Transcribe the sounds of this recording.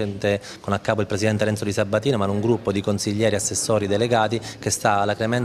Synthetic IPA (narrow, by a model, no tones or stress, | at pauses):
ɛnt̪e | konakːaːp̬oilpɾesid̪ɛnt̪eɾɛnsod̪isabːat̪iːnomanuŋɡɾupːod̪ikonsiʎːɛːɾiasːesːoːɾid̪eleɡaːt̪ikest̪alakɾemɛn